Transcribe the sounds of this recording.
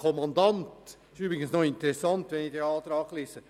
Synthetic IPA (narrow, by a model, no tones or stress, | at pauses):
kʰɔmɑndɑnt | syːbɾɪɡənsnoɪntəɾɛsɑntʋɛnɪçd̥eɑːtɾɑːɡleːsə